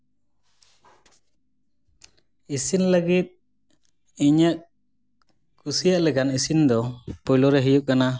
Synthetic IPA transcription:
isinləɡit̪̚ | iɲəʔ̚ | kusijaʔlɛkanisind̪ɔpɔjlɔɾɛɦijuk̚kːana

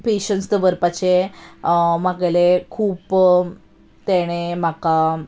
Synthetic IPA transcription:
peɕənst̪əʋəɾpat͡ɕe | maɡelekʰuːp | t̪eɽ̃em̤aka

